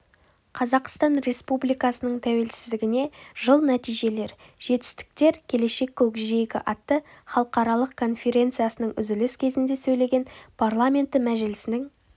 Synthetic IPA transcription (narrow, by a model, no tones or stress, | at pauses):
qʰɑzɑqst̪ɑnɾe̞spublijkɑsənəɴt̪ʰæwe̞lsɪzd̪ɪɡʲɪne̞ʒəlˠnæt̪ijʒe̞le̞ɾ | ʒ̥e̞t̪ɪ̥st̪ɪ̥k̚t̪e̞ɾkʲʰe̞le̞ʃe̞kʲʰːɵkʒejkʲɪ̰ʔɑt̪ːəχɑlˠəqɑɾɑlˠəqkʰo̞nfʲe̞ɾʲe̞nt̪sɨjasənəɴʏzɪlɪskʲʰe̞zɪnd̪e̞sɵjle̞ɡʲe̞npʰarlˠamʲe̞nt̪ːɪmæʒɪlɪsɪnɪŋ